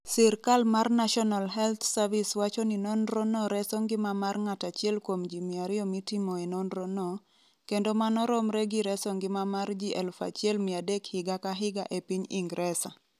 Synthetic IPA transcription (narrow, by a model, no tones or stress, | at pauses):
siɾkalmarnaʃɔnalɦɛlt̪saviswat͡ʃɔninɔnɾɔnɔɾɛsɔŋɡɪmamarŋatat͡ʃɪɛlkwomd͡ʒimɪaɾɪɔmitimɔɛnɔnɾɔnɔ | kendomanɔɾɔmɾɛɡiɾɛsɔŋɡɪmamard͡ʒiʔɛlfa̰t͡ʃɪɛlmɪadekhɪɡakaɦɪɡaʔepiɲiŋɡɾʔɛsa̰